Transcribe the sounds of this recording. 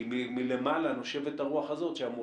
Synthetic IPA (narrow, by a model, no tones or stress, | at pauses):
imimile̞malano̞ʃe̞vet̪aʁuaχazo̞t̪ʃeamu